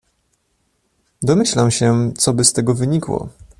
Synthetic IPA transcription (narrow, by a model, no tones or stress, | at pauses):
d̪ɔmɘɕlamɕɛt̪sɔbɘst̪ɛɡɔvɘɲikwɔ̰